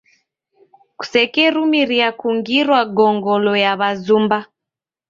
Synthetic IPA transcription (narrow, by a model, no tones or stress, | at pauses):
ku̥sɛkɛɾumiɾiakuŋɡiɾwaɡɔŋɡɔlɔjaβazumba